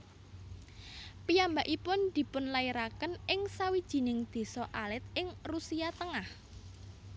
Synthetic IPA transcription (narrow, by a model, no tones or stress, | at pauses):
pijambaʔipʊnd̪̥i̤pʊnlaiɾakənɪŋsawid̥ʒ̥i̤nɪŋd̪̥e̤sɔʔalɪt̪̚ɪŋrusiat̪əŋah